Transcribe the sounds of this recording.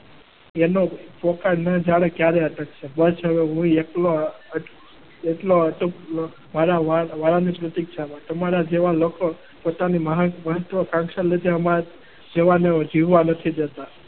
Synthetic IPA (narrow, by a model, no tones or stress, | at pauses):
enopɔkaɾnad͡ʒaɽ̃ekjaɾeəʈ̪ək̚t͡ʃʰebəsɦəʋeɦũieʈlo | əʈ | eʈloəʈop | maɾaʋaʋaɭanipɾət̪ik̚t͡ʃʰamãt̪omaɾad͡ʒeʋaloko | pot̪animəɦməɦət̪ʋəkãŋkʃəled̪eəma | d͡ʒeʋaneod͡ʒiʋʋanət̪ʰid͡ʒ̪ət̪a